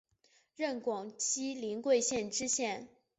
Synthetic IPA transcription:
ɻə˥˩nkwɑ˨˩ŋt͡ɕi˥li˧˥nkwe˥˧ɪɕjɛ˥˩nʈ͡ʂɻ̩˥ɕjɛ˥˩n

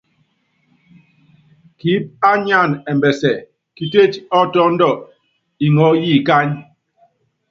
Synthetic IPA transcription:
ki˨˦p̚a˦ɲa˦˨nɛ˨mbɛ˨sɛ˨ | ki˨te˦t͡ʃɔ˦tɔ˦n̩˦dɔ˨ | i˨ŋɔ˨˦ji˦˨ka˦ɲ

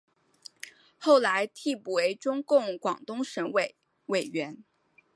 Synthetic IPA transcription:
xo˥˩ʊla˧˥ɪt̪ʰi˥˧pu˨˩we˧˥ɪʈ͡ʂʊ˥ŋkʊ˥˩ŋkwɑ˨˩ŋt̪ʊ˥ŋʂə˧˥nwe˨˩ | we˨˩ɪɥɛ˧˥n

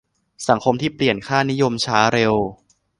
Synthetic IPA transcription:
sa˩˦ŋkʰo˧mt̪ʰiː˥˩pli˨˩ənkʰaː˥˩ni˦˥jo˧mt͡ɕʰaː˦˥ɾe˧w

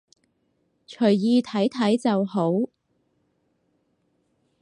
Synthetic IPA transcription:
t͡ʃʰɵ˨˩ɥjiː˧t̪ʰɐ˨˥jt̪ʰɐ˨˥jt͡sɐ˨who˨˥w

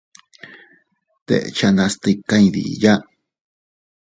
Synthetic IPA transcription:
t̪ḛ˧ʔt͡ʃa˧nã˧st̪i˧ka˦ĩ˧ðḭ˨ja˦

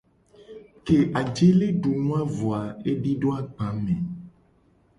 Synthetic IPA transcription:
ke˨ʔa˨d͡ʒe˦le˦ɖu˨nũ˦a˦vo˨a˨e˦ɖi˦ɖo˦a˦ɡ͡bã˨˦mẽ˨

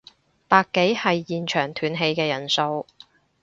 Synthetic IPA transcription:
paː˧kːe˨˥jhɐ˨jːiː˨nt͡ʃʰœː˨˩ŋt̪ʰyː˨nɦe˧jkɛː˧jɐ˨˩nso˧w

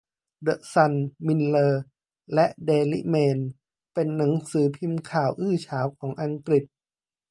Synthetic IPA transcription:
dɤ˦˥sa˧nmi˧nlɤː˧ | lɛ˦˥ʔdeː˧lḭ˦˥meː˧n | pe˧nːa˩˦ŋsɯː˩˦pʰi˧mkʰaː˨˩wʔɯː˥˩t͡ɕʰaː˩˦wkʰɔː˩˦ŋʔa˧ŋkɾi˨˩t̪̚

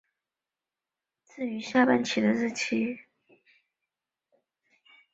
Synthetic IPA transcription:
t͡sɹ̩˥˩y˧˥ɕja˥˧pa˥˩nt͡ɕʰi˨˩d̪ə˦ɻ̩˥˩t͡ɕʰi˥

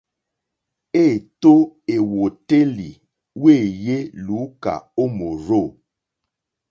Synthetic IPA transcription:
e˦˨to˦e˨wo˨te˦li˨ | we˦˨je˦lu˨˦ka̰˨o˦mo˨ɾo˦˨

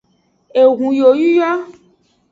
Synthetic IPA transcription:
e˨ɣũ˨jo˨ju˦ja˦

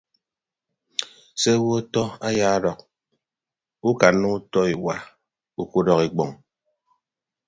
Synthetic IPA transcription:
se˦wo˦tɔ˦a˦ja˦ɾɔ˨k̚ | u˦ka˨nu˦u˦tɔ˦i˨wa˨ | u˦ko˦dɔ˨ki˨k͡pɔ˨ŋ

